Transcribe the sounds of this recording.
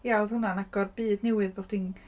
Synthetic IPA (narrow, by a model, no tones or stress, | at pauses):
jawðhʊnanaɡɔrbɨːdnɛwɨðboχd̥in